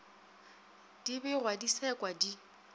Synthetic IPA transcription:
d̥ibɛrwadisɛkʼwadi

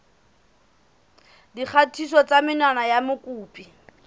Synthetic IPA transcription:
dik͡xʰatʰisɔt͡sʼamɪnwanajamʊkʼuːpʼi

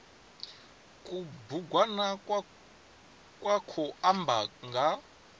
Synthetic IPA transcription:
kʼubuɡʱwana | kʼwakʰɔambʱaŋɡa

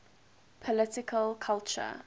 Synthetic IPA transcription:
pʰɔlɪtɪkʰəlkʰalˠt͡ʃə̰

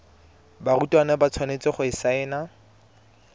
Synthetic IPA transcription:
barutʼwanabat͡sʰwanet͡sʼɪχʊɪsaɛːna

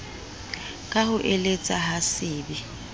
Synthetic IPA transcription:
kʼahʊʔelet͡sʼaɦasɪːbɪ

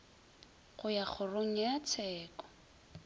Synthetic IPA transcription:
ɣʊjak͡xʰʊroŋ̩jat͡sʰɛːkɔ̥

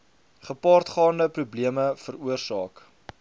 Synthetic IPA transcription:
χəpɑːrtχɑːndəprubliəməfəruərsɑːk

